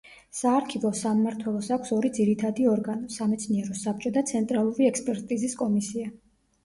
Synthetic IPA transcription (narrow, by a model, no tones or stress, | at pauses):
saːɾkʰivɔsamːaɾt̪ʰwɛlˠɔsakʷʰsɔɾid̪ziɾit̪ʰad̪iɔɾɡanɔsamɛt̪sʰniɛɾɔsap̚t͡ʃʼɔd̪at̪sʰɛnt̪ʼɾalˠuɾiɛkspʼɛɾt̪ʼiziskʼɔmisia